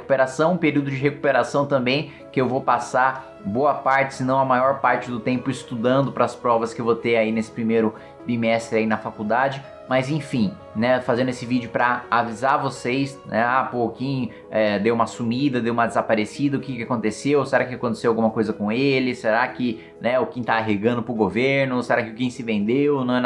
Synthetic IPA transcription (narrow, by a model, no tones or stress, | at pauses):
ku̥peɾasɐ̃w̃ũpeɾiuwd̪ʊd͡ʒɪɦeku̥peɾasɐ̃w̃t̪ɐ̃mbẽj̃ | kɪewvopasa | boɐpaɾt͡ʃɪ̥sɪnɐ̃w̃ɐmajɔɾpaɾt͡ʃɪd̪ʊt̪ẽmpʊɪst̪ud̪ɐ̃nd̪ʊpɾɐspɾɔvɐskɪewvot̪eainesɪ̥pɾimejɾʊ | bimɛst̪ɾɪainɐfakuwd̪ad͡ʒɪ | mɐzẽfĩ | nɛfazẽnd̪ʊesɪvid͡ʒʊpɾɐavizavosejsnɛapoʊkẽj̃ | ɛd̪ewũmɐsumid̪ɐd̪ewũmɐd̪ɪzapaɾesid̪ɐʊkɪkɪakõnt̪esewseɾakɪakõt̪̬esewawɡũmɐkojzɐkõelɪseɾakɪ | nɛʊkẽt̪aːɦeɡɐ̃nd̪ʊpɾʊɡoveɾnʊseɾakɪʊkẽj̃sɪvẽnd̪ewnɐ̃w̃ɛ